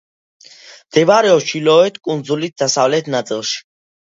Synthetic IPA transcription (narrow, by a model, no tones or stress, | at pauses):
md̪̥ɛbaɾɛɔʃilɔɛt̪ʰkʼund̪zulit̪̚d̪̥asavlɛt̪ʰnat̪sʼilˠʃi̥